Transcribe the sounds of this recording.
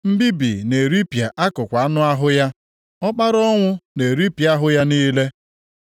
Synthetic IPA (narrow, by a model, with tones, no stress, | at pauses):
m̩˦bi˦bḭ˨ne˨ɾi˦pja˨ʔa˦kʊ˨kʷa˨a˦nʊ˦a˦ɦʊ˦ja˦ | ɔ˦k͡pa˦ɾɔ˦ŋʷʊ˦ne˨ɾi˦pja˦ɦʊ˦ja˦niː˦le˦